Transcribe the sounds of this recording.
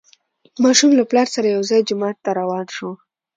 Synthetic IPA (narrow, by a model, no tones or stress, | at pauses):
mɑʃumlaplɑɾsaɾajawzɑjd͡ʒʊmɑt̪ːaɾawɑnʃo